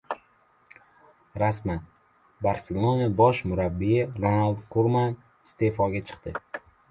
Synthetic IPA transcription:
ɾasman | baɾselˠonabɒʃmʊɾabːijɪɾonalˠd̪̚kʰoɾman | ɪst̪e̞fɒɡʲat͡ʃʰɨ̥qt̪ɪ

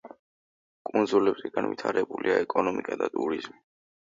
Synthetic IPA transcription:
kʼund̪zulɛbzɛɡ̥anvit̪ʰaɾɛbuliaɛkʼɔnɔmikʼad̪at̪ʼuɾizmi

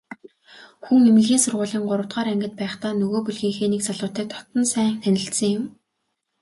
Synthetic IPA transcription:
xuŋemɘ̆ɮɣʲiːnsʊrʁʊːɮiːŋɢʊɾə̆wt̪ɢaːɾæŋɡɪ̆t̪̚pæːχt̪aːnɵɣoːpuɮxiːŋxeːnekt͡saɮʊːt̪æːt̪ʰɔ̥t̪ɞ̆nsæːŋxænʲɪ̆ɬt̪sɘ̆ŋjʊm

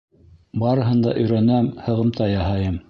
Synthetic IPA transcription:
bɑɾɤ̆ɦɤ̆nd̪ɑ̰ʔɵ̆jɾænæmhɤ̆ʁɤ̆mt̪ɑjɑɦɑjɤm

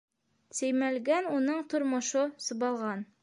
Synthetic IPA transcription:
sæjmælɡænunɤɴt̪ŏɾmŏʃɤsɤ̆bɑlˠʁɑn

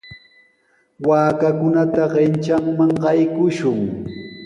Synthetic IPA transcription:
waːkakʊnat̪aɢɪnt͡ʃaŋmaŋɢɑjkʊʃʊŋ

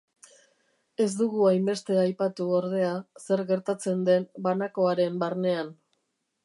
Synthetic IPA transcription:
e̞zd̪uɣuajmbe̞st̪e̞ajpat̪uoɾð̞e̞ase̞ɾɣe̞ɾt̪at͡se̞nd̪e̞mbanako̞aɾe̞mbaɾne̞an

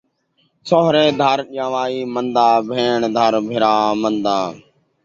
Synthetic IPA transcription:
soːɦɾẽːd̪ʱaɾɗɪjãːʋaːiːmənd̪aːbʱeːɳd̪ʱəɾbʱɪɾaːmənd̪aː

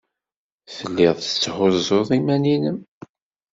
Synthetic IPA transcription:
θəlːɪðˤθə̥t͡sːhʊzoðˤimæninəm

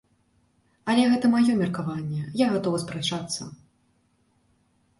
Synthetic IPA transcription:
ɐlʲɛɣɛt̪ɐmajɔmʲɛrkavanʲːɛjaɣat̪ɔvɐspɾɛt͡ʂat̪sːɐ̰

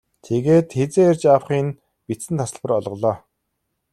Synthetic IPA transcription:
t̪ʰeɣeːt̪xet͡seːert͡ɕawχiːn | pit͡sɘ̆nt̪ʰasə̆ɮpə̆rɔɮʁɞ̆ɮɔː

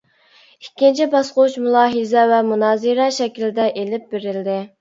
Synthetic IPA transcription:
ikʲʰːint͡ʃʰibɑsqʊuʃmulˠɑːɦɨzɛvɛmunɑːziɾɑʃɛkʲilɪd̪ɛʔelɪp̚beɾɪld̪ɪ

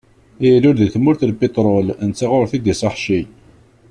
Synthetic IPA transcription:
jəlʊɾðəθmːʊɾθlpit̪ˤɾˤolənt͡sːaʁʊɾθid̪isɑħʃij

